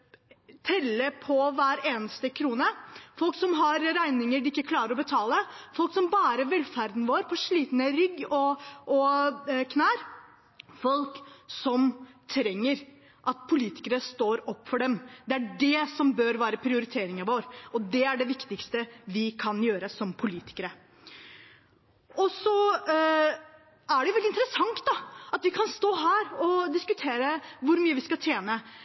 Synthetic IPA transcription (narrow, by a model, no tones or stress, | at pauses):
t̪ʰɛlːəpʰɔʋæːɾeːnəst̪əkʰɾuːnəfɔlksɔmɦɑɾɾæɪnɪŋəɖɪɪkːəkʰlɑːɾəɾɔbət̪ʰɑːləfɔlksɔmbɑːɾəʋɛlfæɾd̪n̩ʋoːɾpʰɔʂɭiːt̪nəɾʏɡɔʔɔkʰnæːɾ | fɔlksɔmt̪ʰɾɛŋːəɾ | ʔɑt̪̚pʰʊliːt̪ɪ̥kəɾəst̪oːɾɔpːfɔɖɛmd̪ɛæɖɛsɔmbœɾʋæːɾəpʰɾɪʊɾɪt̪ʰeːɾɪŋɑʋoːɾɔd̪ɛæɖɛʋɪkt̪ɪkst̪əʋɪkʰɑnjøːɾəsɔmpʰʊliːt̪ɪ̥kəɾə | ɔsɔ | æɖɛʋɛlɪnt̪əɾəsɑŋt̪̚d̪ɑɑt̪ʋɪkʰɑnst̪oːɦæːɾɔd̪ɪskʉt̪ʰeːɾəʋʊɾmyːəʋɪskɑt̪ʰjeːnə